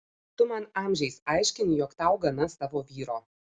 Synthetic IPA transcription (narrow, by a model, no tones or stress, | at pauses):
t̪ʊmɐnɑːmʲʒʲɛɪsɑɪʃʲkʲɪnʲɪjɔːkt̪ɐʊɡɐnɐst̪ɑːʋoːʋʲiːɾoː